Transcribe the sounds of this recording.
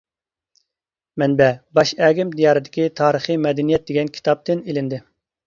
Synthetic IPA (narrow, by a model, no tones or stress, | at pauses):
mɛnbɛbɑʃɛːɡʲimd̪ijɑːɾɨd̪ɪkʲit̪ʰɑːɾəχɨmɛd̪ɛnijɛt̪̚d̪eɡʲɛnkʲʰi̥t̪ʰɑp̚t̪ɪnelɪnd̪ɪ